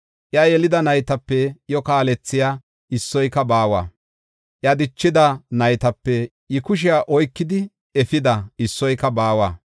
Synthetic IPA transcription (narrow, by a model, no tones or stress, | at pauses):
ʔjɐjɛlɪd̪ɐnɐjt̪ɐpːɛjɔkaːlɛt͡sːɪjaː | ʔɪsːɔjkːɐbaːwa̰ː | ʔjɐd̪ɪt͡ʃːɪd̪ɐnɐjt̪ɐpːɛ | ɪkʊʃ̬ɪjaːʔɔjkːɪd̪ɪ | ɛfɪd̪ɐɪsːɔjkːɐbaːwa̰ː